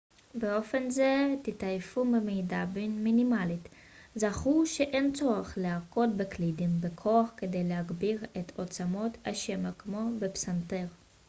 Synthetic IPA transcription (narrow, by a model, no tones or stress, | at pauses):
beo̞fenzet̪it̪ajfumemejdabinminimalit̪ | zaχuʃeʔent͡so̞ʁeχleako̞tbeklidimbekʰo̞aχked̪ejleɦaɡbiʁet̪ʰot͡samo̞t̪aʃemakmo̞bepsant̪eʁ